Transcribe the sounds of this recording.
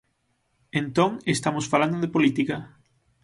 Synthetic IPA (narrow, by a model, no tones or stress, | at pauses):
ent̪oŋest̪amosfaland̪oðepolit̪ikɐ